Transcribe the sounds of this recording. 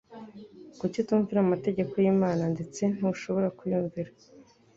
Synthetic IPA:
kucituːɱviɾamate̞ɟe̞ko̞jiːmaːnande̞t͡se̞n̥uuʃo̞βo̞ɾakujuːɱviɾa

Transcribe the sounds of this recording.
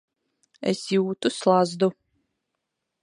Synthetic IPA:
ḛsjuːt̪uslˠazd̪u

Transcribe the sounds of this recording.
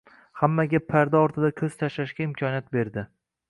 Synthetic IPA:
hamːaɡʲapʰaɾd̪aɒɾt̪ʰɪd̪akʲʰɵz̥t̪ʰaʃlaʃɡʲaɪmkʲʰɒnijat̪̚be̞ɾd̪ɪ

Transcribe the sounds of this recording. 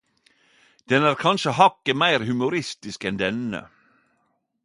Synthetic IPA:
d̪̥ɛnæːɾkʰɑnʃəhɑkːəmæɪɾhʉmʊɾɪst̪ɪskɛnd̪ɛnə̰

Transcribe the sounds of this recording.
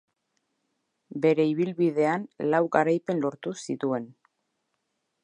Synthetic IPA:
be̞ɾe̞iβ̞ilβið̞e̞anlawɣaɾajpe̞nlo̞ɾt̪usit̪ue̞n

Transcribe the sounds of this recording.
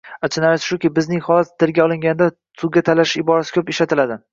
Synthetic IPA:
at͡ʃʰɪnaɾsʃʊkʲɪbɪznɪŋhɒlat̪t̪ʰɪɾɡʲaɒlˠɪŋʲanɪd̪a | sʰʊɡʲat̪ʰalaʃɪʃɪbɒɾasɪ̥kʲʰɵpeʃlat̪ʰɪlad̪ɪ

